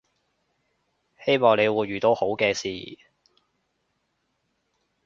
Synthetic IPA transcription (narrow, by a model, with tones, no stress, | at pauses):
he˥jmɔː˨ŋle˨˧jwuː˨˧jɥyː˨˩t̪o˨˧who˨˥wkɛː˧sḭː˨